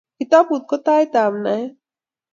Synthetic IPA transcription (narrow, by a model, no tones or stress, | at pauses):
kit̪ab̚ut̪̚kot̪ajt̪amnaj